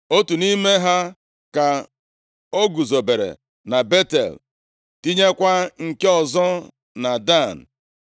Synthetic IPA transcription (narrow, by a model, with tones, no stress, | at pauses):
o˦tu˨ni˦me˦ɦa˦ | ka˨ | o˦ɡu˨zo˨be˨ɾḛ˨ | na˨be˦tḛ˨l | ti˦ɲe˦kʷa˦ŋ̩˨ke˦ɔ˨zɔ˦ | na˨da˦˨n̩˨